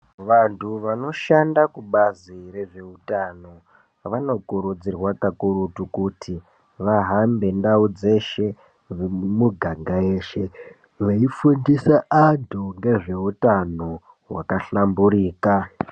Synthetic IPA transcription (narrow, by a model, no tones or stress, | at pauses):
ʋantʰuʋano̞ʃandakuɓaziɾe̞ʐe̞utano̞ | ʋano̞kuɾud͡zirwakakuɾutukutʰi | ʋaɦambe̞ndaud͡ze̞ʃe̞ | muɡʱaŋɡaeːʃe̞ | ʋeifundisaʔadʱoŋɡe̞ʐe̞utano | wa̰kaɬambuɾiːka